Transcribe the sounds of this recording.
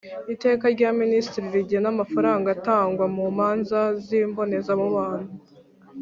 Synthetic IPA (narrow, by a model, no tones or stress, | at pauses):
ite̞ːkaɾɟaministiɾiɾiɟenamafaɾaːŋɡataːŋɡwamuːmaːnzaziːmbo̞ne̞zamuβaːn̥hu